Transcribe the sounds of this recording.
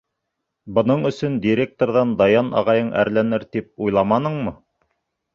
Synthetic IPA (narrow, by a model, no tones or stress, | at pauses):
bɤ̆nɤɴɵ̆sɵnd̪ʲiɾʲek̚t̪oɾðɑnd̪ɑjɑnʔɑ̰ʁɑjɤɴʔæ̰ɾlænɘɾt̪ip̚ujlˠɑmɑnɤɴmɤ